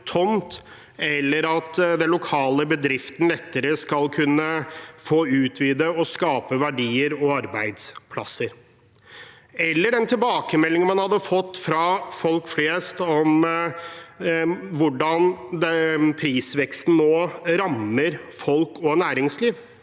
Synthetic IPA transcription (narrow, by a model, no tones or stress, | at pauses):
t̪ʰɔnt̪ | ɛlːəɾɑt̪d̪ɛnlʊkʰɑːləbəd̪ɾɪft̪n̩lɛt̪ːəɾəskɑlkʰʉnːəfoːʉːt̪ʰʋiːd̪əɔskɑːpəʋæɖiːəɾɔɑɾbæɪd̪spʰlɑ̰səɾ | ɛlːəɖɛnt̪ʰɪlbɑːkəmɛlːɪŋənmɑnhɑd̪ːəfɔt̪ːfɾɑfɔlkfleːst̪ɔm | ʋʊɖɑnd̪ɛpʰɾiːsʋɛkst̪n̩nːoːɾɑməɾfɔlkɔnæːɾɪŋsliːʋ